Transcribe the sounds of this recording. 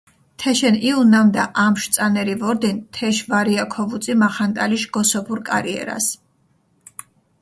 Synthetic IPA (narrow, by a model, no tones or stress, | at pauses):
t̪ʰɛʃɛniunamd̪aʔamʃt̪sʼanɛɾivɔɾd̪int̪ʰɛʃvaɾiakʰɔvut̪sʼimaχant̪ʼaliʃɡ̥ɔsɔpʰuɾkʼa̰ɾiɛ̰ɾa̰s